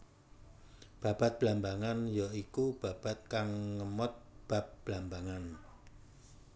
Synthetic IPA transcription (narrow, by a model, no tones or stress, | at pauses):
b̥a̤b̥at̪̚b̥lambaŋanjaikub̥a̤b̥at̪̚kaŋːəmɔt̪̚b̥a̤p̚b̥lambaŋan